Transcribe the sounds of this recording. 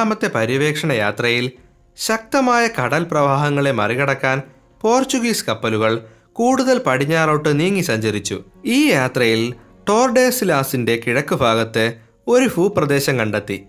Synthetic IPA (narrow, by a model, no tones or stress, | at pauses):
mɐt̪ːe̞pɐɾiʋe̞ːkʂɐɳɐjaːt̪rɐjil | ɕɐk̚t̪ɐmaːjɐkɐɽɐlprɐʋaːɦɐŋːɐɭe̞mɐriɣɐɽɐkːaːn | po̞ːrt͡ɕuɣiːskɐpːɐluɣɐɭ | kuːɽuðɐlpɐɽiɲːaːroːʈːɨniːŋːisɐɲd͡ʑɐɾit͡ɕːṵ | iːjaːt̪rɐjil | ʈo̞ːrɖe̞ːslaːsinde̞kiɻɐkːubʱaːɣɐt̪ːɨ | o̞ɾufuːprɐd̪e̞ːɕɐmkɐɳɖɐt̪ːi